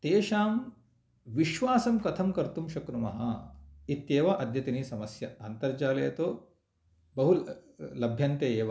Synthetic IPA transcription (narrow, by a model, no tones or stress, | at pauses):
t̪eːʃaːm | ʋiʃʋaːsɐmkɐt̪ʰɐmkɐɾt̪umʃɐkɾumɐɦɐit̪jeːʋɐʔɐd̪ʱjɐt̪iniːsɐmɐsjɐaːnt̪ɐɾd͡ʒaːleːt̪oː | bɐɦullɐbʱjɐnt̪eːeːʋɐ